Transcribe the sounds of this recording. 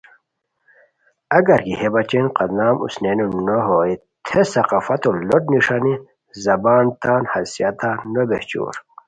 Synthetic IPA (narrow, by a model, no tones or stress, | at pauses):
ɐɡɐɾkihebɐt͡ɕenqɐd̪naːmṵsnenunoɦoːi | t̪ʰesɐqafɐt̪oloʈ̚niʂani | zɐbaːnt̪aːnhɐsijat̪aːnobeht͡ɕṵːɾ